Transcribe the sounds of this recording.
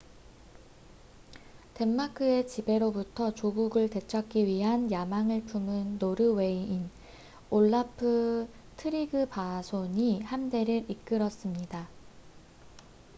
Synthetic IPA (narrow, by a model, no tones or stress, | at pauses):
te̞mːakʰɯe̞t͡ɕibe̞ɾobutʰʌt͡ɕoɡuɡɯɭte̞t͡ɕʰʌk͈iɥiɦanjamaŋɯɭpʰumɯnːoɾɯwe̞iin | oɭːapʰɯ | tʰɯɾiɡɯpasʰoɲihamde̞ɾɯɾik͈ɯɾʌs͈ɯmɲida